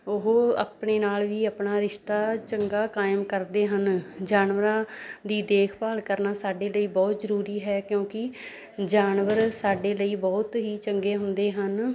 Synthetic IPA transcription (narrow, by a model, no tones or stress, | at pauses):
ʊɦːa̰pɳeːnaːlʋiːəːpnaːɾɪʃt̪aːt͡ʃəŋɡaːkaːɪmkəɾd̪eːɦənd͡ʒaːnʋəɾãːd̪iːd̪eːkʰpaːlkəɾnaːsaːɖeːləiːbɔːt̪zəɾuːɾiːɦɛːkjõːkɪ | d͡ʒaːnʋəɾsaːɖeːləiːbɔːt̪ɦiːt͡ʃəŋɡeːɦʊnd̪eːɦən